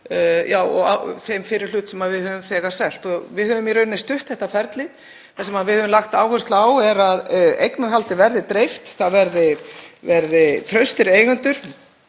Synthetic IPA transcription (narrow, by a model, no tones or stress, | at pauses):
jaːwɔ̰a̰fejmfɪɾɪɾ̥l̥ʏːt̪sɛmaðvɪðhœvʏmfɛːɣḁsɛl̥t̪ɔvɪðhœːvʏmjɛɾʏnɪst̪ʏht̪θɛht̪afɛɾt̪lɪ | θasɛmaðvɪðhœːvʏmlaxt̪aːwhœst̪laːwɛɾaðejknaɾɦalt̪ɪvɛɾðɪt̪ɾejft̪θaðvɛɾðɪvɛɾðɪt̪ʰɾœɥst̪ɪɾeːjɣʏnt̪ʏɾ̥